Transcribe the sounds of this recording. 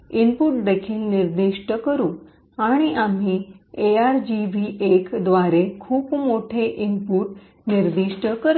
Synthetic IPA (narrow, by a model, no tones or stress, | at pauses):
impuʈ̚d̪ekʰiːlniɾd̪iʂʈəkəɾũː | aɽ̃iʔam̤iːeaɾd͡ʑiʋiːʔekd̪ʋaɾekʰuːpmoʈʰeʔimpuːʈ | niɾd̪iʂʈəkəɾ